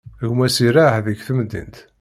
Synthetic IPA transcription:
ɣmæsiɾahðəɡθəmd̪ḭnt̪

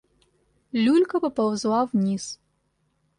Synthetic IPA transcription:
lulʲkʰɐpɐpɐwzwavniːs

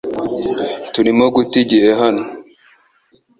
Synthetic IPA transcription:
tuɾimoɡutiɟieɦano

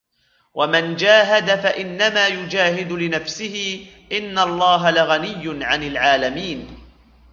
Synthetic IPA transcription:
wʔamand͡ʒaːɦad̪afaʔɪnːamaːjʊd͡ʒaːɦɪd̪ʊlɪnafsɪhɪ | ʔɪnːalˤːɑːɦalaɣanɪjːʊnʕanɪlʕaːlamiːn

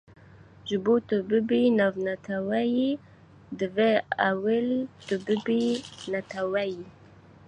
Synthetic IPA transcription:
ʒubut̪əbəbinavnat̪ʰawaji | d̪əveawəlt̪əbəbinat̪awaji

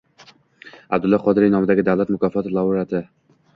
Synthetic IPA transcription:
a̰b̚d̪ʊlˠːɒqʰɒd̪ɪɾijnɒmɪd̪aɡʲɪd̪awlat̪mʊkʰʲɒfɒt̪ɪlˠauɾat̪ʰɪ

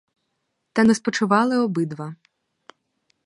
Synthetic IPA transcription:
t̪ɐnɛspɔt͡ʃʊʋɑlˠɪɔbɪd̪ʋɐ

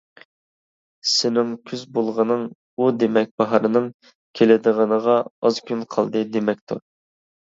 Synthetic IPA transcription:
sɪnɪŋkʲʰyzbolˠʁənɨŋ | ud̪emɛk̚ʲbɑɦɑɾɨnɨŋ | kʲʰelɪd̪ɨʁənəʁɑɑz̥kʲʰynqʰɑlˠd̪ɨd̪emɛk̚ʲt̪ʰu

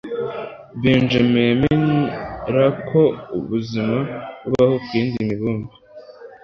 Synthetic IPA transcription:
biːnd͡ʒememenɾakʰo̞uβuzimaβuβahobɡiːndiimiβuːmbi

